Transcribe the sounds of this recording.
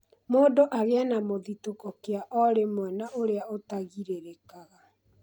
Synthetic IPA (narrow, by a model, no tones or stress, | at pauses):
moːndoʔaɣeanamoðitokɔkeaʔɔɾemwɛnaʔoɾeaotaɣiɾeɾekaɣa